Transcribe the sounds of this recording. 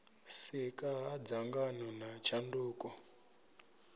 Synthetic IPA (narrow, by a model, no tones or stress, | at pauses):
sikaɦad͡zaŋɡanɔnat͡ʃanduːkɔ